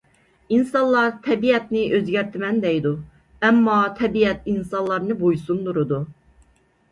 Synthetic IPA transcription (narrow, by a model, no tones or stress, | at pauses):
insɑnlˠɑɾt̪ʰɛbiɛt̪nɪøzɡʲɛɾt̪ʰɪmɛnd̪ɛjd̪u | ɛmːɑt̪ʰɛbiɛt̪insɑnlˠɑɾnɨbojsund̪uɾud̪u